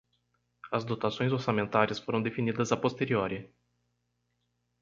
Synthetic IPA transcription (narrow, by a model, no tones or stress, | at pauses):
ɐzd̪ot̪asõj̃zoɾsamẽnt̪aɾɪsfoɾɐ̃w̃d̪efinid̪ɐzɐpost̪eɾioɾɪ